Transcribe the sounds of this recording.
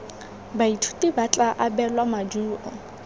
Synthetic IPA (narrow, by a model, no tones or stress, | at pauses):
baitʰu̥tʼibat͡ɬʼaʔabɛlwamad͡ʒuːʔɔ